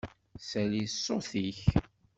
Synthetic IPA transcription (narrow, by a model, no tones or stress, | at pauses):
sælisːoθiç